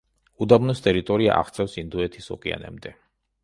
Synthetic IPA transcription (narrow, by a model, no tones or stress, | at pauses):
ud̪abnɔst̪ʼɛɾit̪ʼɔɾia̰ʔa̰χt̪sʰʼɛfsind̪uɛt̪ʰisɔ̰kʼia̰nɛ̰bmd̪ɛ